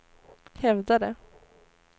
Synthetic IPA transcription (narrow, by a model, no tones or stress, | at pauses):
hɛvd̪ad̪ɛ